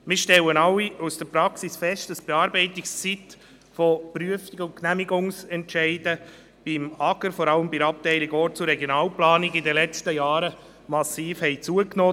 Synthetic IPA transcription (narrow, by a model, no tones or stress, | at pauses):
mɪːɾʃtɛlənɑlːiusd̥əɾpɾɑksisfɛʃtəsb̥eɑːɾbɛɪtɪkst͡sit̪ | fopryəfiɡəʊnknæmiɡʊŋsɛntʃɛɪd̥ə | b̥ɪmɑɡəɾfɔɾɑləmbɪɾɑp̚tɛɪliɡɔːɾt͡sʊɾːɛɡjonɑːlplɑːniɡɪd̪əlɛt͡stəjɑːɾə | mɑsiːfhɛɪt͡suəknoː